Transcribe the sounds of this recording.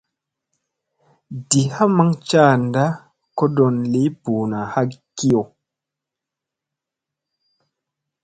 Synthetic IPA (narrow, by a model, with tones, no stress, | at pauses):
di˨ha˦ma˦ŋt͡ʃaː˦˨nda˦ | ko˦do˨nli˦puː˨na˨ha˦ki˦o˨